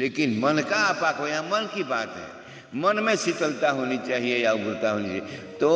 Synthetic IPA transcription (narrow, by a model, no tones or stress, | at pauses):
lekinmənkapakəjɦãmənkibaːt̪ɦɛ̰ | mənmẽsit̪əlt̪aɦonit͡ʃaːɦiejaɡʊɾt̪aɦonit͡ʃaet̪o